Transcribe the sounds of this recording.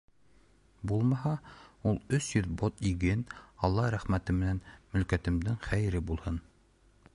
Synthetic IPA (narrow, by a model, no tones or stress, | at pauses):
bulˠmɑhɑulˠɵsjɵðbot̪iɡɘnɑlˠːɑɾæχmæt̪ɘmɘ̆nænmɵ̆lkæt̪ɘ̆md̪ɘŋχæj̆ɾɘbulˠhɤn